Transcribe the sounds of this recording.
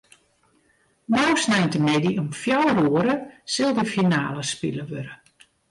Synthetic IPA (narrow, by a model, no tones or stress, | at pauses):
nawsnɛjntəmɛdiɔmfjawruəɾəsɪlˠdəfinaːləspḭləʋøɾə